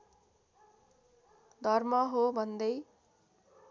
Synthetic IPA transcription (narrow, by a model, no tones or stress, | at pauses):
d̪ʱʌrmʌɦobʱʌnd̪ʌj